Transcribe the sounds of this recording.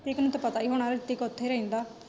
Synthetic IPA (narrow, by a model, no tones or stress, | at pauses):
t̪eknũːt̪apət̪aːiːɦoɽ̃aːɾət̪ɪkʊt̪ʰːeːɾəĩːnd̪aː